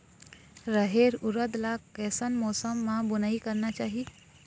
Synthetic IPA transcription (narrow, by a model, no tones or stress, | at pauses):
ɾəɦeɾʊɾəd̪lakɛːsənmɔːsəmːãbʊnaːikəɾnat͡ʃaːɦi